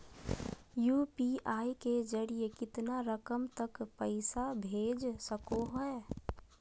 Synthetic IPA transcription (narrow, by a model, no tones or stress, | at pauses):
jupiʔaiked͡ʒəɽijekɪt̪naɾəkəmt̪əkpəɪsabʱed͡ʒsəkoɦɔe